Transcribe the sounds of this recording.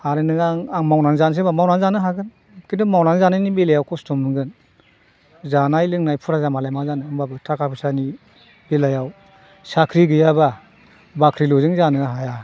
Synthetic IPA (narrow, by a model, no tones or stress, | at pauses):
aɾɯnɯaŋaŋmawnanzans̬ebamawnanzanɯɦaɡɯn | kindɔmawnanzanajnibelajawkʰɔstɔmɯŋɡɯn | zanajlɯŋnajpʰuɾazamalajmazanɯŋbabɯtʰakʰapʰɯsani | belajaw | sakʰɾiɡɯjaba | bakʰɾiluzɯŋzanɯaɦaja